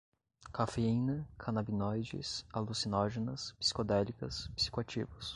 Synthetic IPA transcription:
kafeinɐkʰɐnabinɔjd͡ʒḭsalusinɔʒenɐspi̥si̥kod̪ɛlikɐspi̥si̥koat͡ʃivʊs

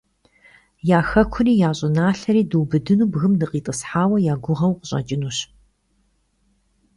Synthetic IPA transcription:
jaːxɐkʷʰʊniːjaːɕʼɪnaːɬɐɾiːduwbɨdɨnuːbɣɨmnɨqiːtʼəsħaːwɐjaːɡʷʊʁɐwqəɕʼɐ̰d͡ʒʼɪnuːɕ

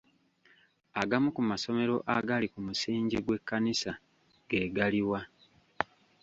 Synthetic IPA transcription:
aɡamukumaso̞me̞ɾo̞ʔaɡalikumusiːɲɟiɡwe̞kːanisa | ɡ̥e̞ːɡaliwa

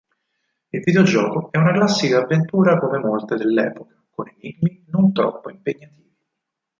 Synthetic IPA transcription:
ilvid̪eod͡ʒɔːkoɛunaklasːikaːvːent̪uːɾakomemolt̪ed̪elːɛ̰ːpokḁkoneniɡminont̪ɾɔ̰pːoimpeɲːat̪iːvi

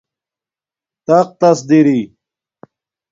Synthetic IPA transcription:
t̪aq̚t̪ɐs̬d̪iɾi

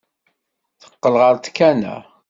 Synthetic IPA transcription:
θə̥qːəlʁəɾt̪kːænæ̰

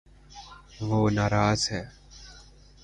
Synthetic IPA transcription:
ʋoːnaːɾaːzɦɛː

